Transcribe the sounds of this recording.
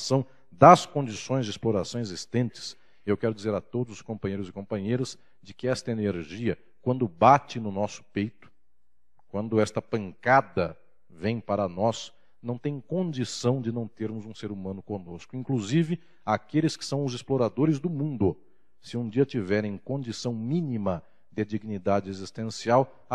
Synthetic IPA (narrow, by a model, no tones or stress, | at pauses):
sɐ̃w̃ | d̪ɐskõnd͡ʒisõj̃zd͡ʒɪsploɾasɐ̃w̃ezist̪ẽnt͡ʃɪ̥s | ewkɛɾʊd͡ʒizeɾɐt̪od̪ʊzʊskõmpɐ̃ɲejɾʊzɪkõmpɐ̃ɲejɾɐz | d͡ʒɪkɪɛst̪ɐeneɾʒiɐ | kwɐ̃nd̪ʊbat͡ʃɪnʊnɔsʊ̥pejt̪ʊ̥ | kwɐ̃nd̪ʊɛst̪ɐpɐ̃ŋkad̪ɐ | vẽj̃paɾɐnɔs | nɐ̃w̃t̪ẽj̃kõd͡ʒisɐ̃w̃d͡ʒɪnɐ̃w̃t̪eɾmʊzũseɾumɐ̃nʊkõnoskʊĩkluzivɪ | akelɪskɪ̥sɐ̃w̃ʊzɪsploɾad̪oɾɪzd̪ʊmũnd̪ʊ | sɪũd͡ʒiɐt͡ʃivɛɾẽj̃kõnd͡ʒisɐ̃w̃mĩnimɐ | d̪ɪd͡ʒiɡinid̪ad͡ʒɪezist̪ẽsiaw